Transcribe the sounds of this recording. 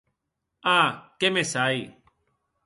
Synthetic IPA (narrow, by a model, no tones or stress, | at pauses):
aːkeːmẽːsaːiː